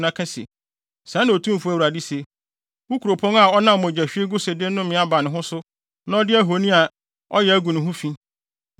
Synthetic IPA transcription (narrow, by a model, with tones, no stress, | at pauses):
nã˦kʰã˦sḛ˨ | sã˦nã˨o˨tʰũ˦m˨fu˨˦æ˦˨wa˨dɪ˦se˨ | wʊ˦kʰu˨ɾo˨pʰɔ̃˦na˨ɔ˦nã˦m˨mɔ̃˨d͡ʑæ˨ɕᶣɪ˦e˦ɡʊ˦se˨dɪ˦nʊ̃˦mɪ̃˨˦a˦ba˨nɪ̃˨ɦʊ̃˦sʊ˦ | nã˦ɔ˦dɪ˦æ˦ɦo˨˦nĩ˦a˨ | ɔ˦jɛ˨æ˦ɡũ˨nʊ̃˨ɦʊ̃˦fĩ˦